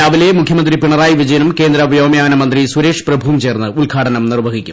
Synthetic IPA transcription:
ɐʋilemukʰjɐmɐnd̪ripiɳɐraːjiʋid͡ʑɐjɐnumke̞ːnd̪ɾɐʋɐjoːmjaːnɐmɐnd̪riswuɾe̞ːʂprɐbʱuːmt͡ɕe̞ːrnːɨulɡʱaːʈɐnɐmnirʋɐɣikʲːum

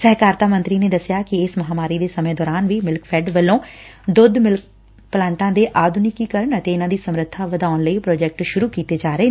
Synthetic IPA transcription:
səɦkaːɾt̪aːmə̃nt̪ɾiːneːd̪əsɪjaːkɪɪsməɦaːmaːɾiːd̪eːsəmẽːd̪ɔːɾaːnʋiːmɪlkfʰɛːɖʋəlːõːd̪ʊd̪mɪlk | plãːɳʈãːd̪eːʔaːd̪ʱnikiːkəɾəɳət̪eːɪnãːd̪iːsəmɾət̪ʰːaːʋəd̪aːʊnləiːpɾɔːd͡ʒɛk̚ʈʃʊɾuːkiːt̪eːd͡ʒaːɾəeː

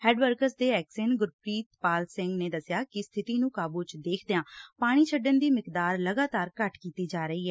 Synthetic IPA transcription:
hɛːɖʋəɾkəɾsd̪eːɛːkseːnɡʊɾpɾiːt̪paːlsɪ̃ŋɡneːd̪əsɪjaːkɪst̪ʰɪt̪iːnũːkaːbuːt͡ʃd̪eːkʰd̪eãːpaːɽ̃iːt͡ʃʰəɖənd̪iːmɪkd̪aːɾləɡaːt̪aːɾkəʈkiːt̪iːd͡ʒaːɾəiːɦɛː

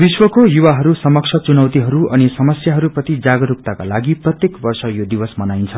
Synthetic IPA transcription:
biswʌkojuwaɦʌɾusʌmʌk̚sʰʌt͡sunʌwt̪iɦʌɾuʔʌnisʌmʌsjaɦʌɾuprʌt̪id͡zaɡʌɾuk̚t̪akalaɡiprʌt̪jekbʌrsʌjod̪ibʌsmʌnajnt͡sʰʌ

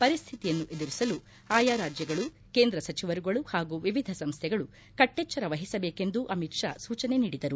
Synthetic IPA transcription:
pɐɾist̪ʰit̪ijɐnːuʔe̞d̪iɾisɐlu | aːjaːɾaːd͡ʒjɐɡɐɭu | ke̞ːnd̪ɾɐsɐt͡ʃiʋɐɾuɡɐɭuhaːɡuʋiʋid̪ʱɐsɐmst̪ʰɛɡɐɭu | kɐʈːeːt͡ʃːɐɾɐʋɐɦisɐbeːke̞nd̪uʔɐmitʂa̰ːsuːt͡ʃɐneniːɽid̪ɐɾu

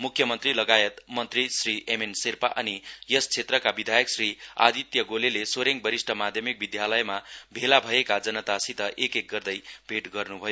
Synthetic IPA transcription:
mukʰːjʌmʌnt̪rilʌɡajet̪mʌnt̪risriemensirpaʔʌnijʌst͡sʰet̪rʌkabid̪ʱajʌksria̰d̪it̪jʌɡolelesoɾeŋbʌɾisʈʰʌmad̪ʱjʌmik̚bid̪jalʌjmabʱelabʱʌekad͡zʌnʌt̪asit̪ʌʔekek̚ɡʌrd̪ʌjbʱeʈɡʌrnubʱʌjo

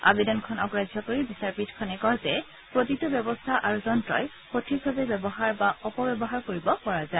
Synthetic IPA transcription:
a̰bedɔnkʰɔnɔɡɹazʱjɔkoɹibisaɹpitkʰɔnɛkɔzɛ | pɹotitubjɔbɔstʰaʔaɹuzɔntɹɔ̰j | potʰik̚bʱabɛbɛbɔɦaɹbaʔɔpɔbɛbɔɦaɹkoɹibɔpɔɹazae

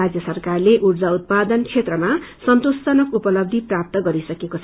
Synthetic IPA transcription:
ad͡zjʌsʌrkarleʔurd͡zaut̪̚pad̪ʌnkʰet̪rʌmasʌnt̪ostʌnʌkupʌlʌb̚d̪ʱiprap̚t̪ʌɡʌɾisʌkekot͡sʰ

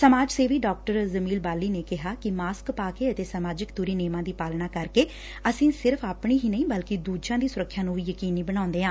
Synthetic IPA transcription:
səmaːd͡ʒseːʋiːɖɔːk̚ʈəɾzəmiːlbaːlːiːneːkɪɦaːkɪmaːskpaːkeːət̪eːsəmaːd͡ʒɪkt̪uːɾiːneːmãːd̪iːpaːlnaːkəɾkeː | əsĩːsɪɾfʰaːpɳiːɦiːnəĩːbəlkɪd̪uːd͡ʒãːd̪iːsʊɾəkʰːjaːnũːʋiːjəkiːniːbəɽãːʊnd̪eːãː

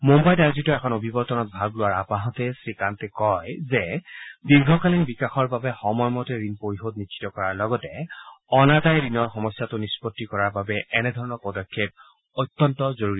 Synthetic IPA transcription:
mombajtaɹzituɛkʰɔnobʱibɔɹtɔnɔt̚bʱaɡlʊaɹapãɦɔ̃tɛsɹikantɛkɔjzɛdiɹɡʱɔkalinbikaxɔɹbabɛxɔmɔjmɔtɛɹinpoɹiɦotnisʰi̥tɔkɔɹaɹlɔɡɔtɛɔnatajɹinɔɹxɔmɔsjatʊnispɔtːikɔɹaɹbabɛʔɛnɛdʱɔɹɔnɔɹpɔdɔkʰːep̚ | ojt̪ːɔntɔzoɹuɹi

